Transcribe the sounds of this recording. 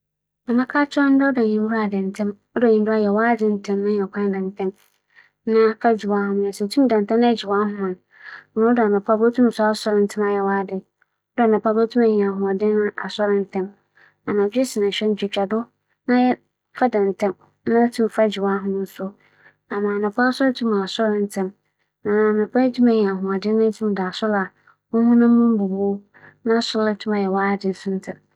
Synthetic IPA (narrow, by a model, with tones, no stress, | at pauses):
a˨mã˦kʰaː˦t͡ɕʰn̩˦dɛ˦ɔ˦dã˨ɲĩ˨m˦bʊ˦a˨dɪ̃˨n̩˨tʰɛ̃˦m | ɔ˦dã˨ɲĩ˨mdʊ˦a˦˨jɛ˨waː˦dɪ˦n̩˨tʰɛ̃˦mnã˦ɲɛ̃˨kʰã˦dã˨n˨tʰɛ̃˦m | nã˦fa˦d͡ʑi˨wa˦hʊ̃˦m˨ã˨sɛ˨tʰũ˦m˦dã˨n˨tʰɛ̃˦ñ˦d͡ʑi˨wa˦ɦʊ̃˦mã˨n˨ | mã˨˦ɔ˦dnã˨pʰa˦bo˦tʰũ˦m˨sʊ˦a˦sɔ˦ɾɪ̃˦n̩˦tʰɪ̃˦ma˨jɛ˨waː˦dɪ˨ | ɔ˦da˨nã˨pʰa˨˦bo˦tʰũ˦ma˨ɲĩ˨ã˨ɦʊ̃˨ɔ˨dɪ̃˦nʊ̃˦ʔa˨sɔ˦ɾɪ̃˦n̩˦tʰɛ̃˦m | a˨nã˨d͡ʑᶣɛ˦sɪ˨nã˨ɕᶣɛ˦n˦d͡ʑᶣɪ˨t͡ɕᶣa˨dʊ˦ | nã˦jɛ˦ | fa˦dã˨n̩˨tʰɛ̃˦m | nã˦tʰũ˦m˨fa˦d͡ʑi˨wa˦ɦʊ̃˦nʊ̃˦n̩˦sʊ˦ | ã˨mãː˨nʊ̃˨pʰa˦sɔ˦ltʰũ˦mã˨a˨sɔ˦ɾɪ̃˦n̩˦tʰɪ̃˦m | nã˨a˨nʊ̃˨pʰa˦tʰũ˦mɛ̃˨ɲĩ˨a˨ɦʊ̃˨a˨dɪ˦nã˦tʰĩ˦m˦da˨sʊ˦la˨ | ʊ̃˦hũ˦nã˦mũ˦m˦bu˨bu˦ | nã˦sʊ˦la˦tʰũ˦ma˨jɛ˨waː˦dɪ˨n˦sʊ̃˦n̩˦tʰɪ˨m